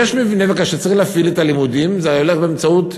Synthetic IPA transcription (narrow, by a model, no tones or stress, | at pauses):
jeʃmivne̞vekaʃet͡saʁiχlaːfilet̪alimud̪imzeoleχbeemt͡saut